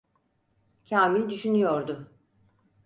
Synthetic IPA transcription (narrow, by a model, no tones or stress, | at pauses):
cʰaːmilʲd̪yʃynyjoɾd̪ʊ